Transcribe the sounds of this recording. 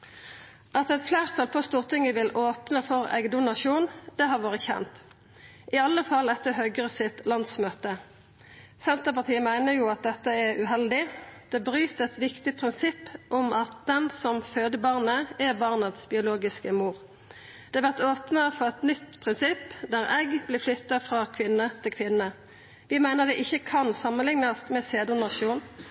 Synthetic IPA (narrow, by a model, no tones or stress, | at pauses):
ʔɑt̪ɛt̪flæːʁt̪ʰɑlpʰost̪uːʁt̪ʰɪŋəʋɪlʔoːpnəfɔʁɛ̰ɡd̪ʊnɑʃuːnd̪̥ɛhɑʁʋoːʁəçɛ̰nt̪ | ʔɪɑlːəfɑlɛt̪ːəɦœɡəsɪt̪lɑnsmøːt̪ə | sɛnt̪əʁpɑʁt̪ʰiːəmæɪnəʁjuːɑt̪̚d̪ɛt̪ːəɛʁʉɦɛld̪ɪd̪̥ɛːbʁyːt̪ɛt̪ʋɪkt̪ɪpʰʁɪnsɪpːʔʊmʔɑt̪̚d̪ɛnsɔmføːd̪əbɑʁnəæbɑːʁnɑt̪sbɪʊloːɡɪskəmuːʁ | d̪̥ɛːɑʋæʁt̪oːpnəfɔʁɛt̪nʏt̪ːpʰʁɪnsɪpːd̪æʁɛɡblɪflʏt̪ːɑfʁɑkʰʋɪnːət̪ʰɪlkʰʋɪnːə | ʋɪmæɪnəʁd̪ɛʔɪçːəkʰɑnsɑmənlɪŋnɑst̪mɛseːd̪ʊnɑʃuːn